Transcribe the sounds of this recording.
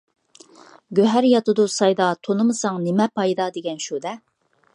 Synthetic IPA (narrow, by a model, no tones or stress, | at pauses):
ɡʲøɦæɾjɑt̪ɨd̪usɑjd̪ɑt̪ʰonɨmɨsɑŋnemɛpʰɑjd̪ɑd̪eɡʲɛnʃud̪ɛ